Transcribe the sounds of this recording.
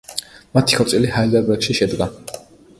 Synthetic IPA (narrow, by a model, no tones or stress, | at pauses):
mat̪ʰi̥kʰɔt̪sʼilihaid̪ɛɾbɛɾkʃiʃɛd̪ɡa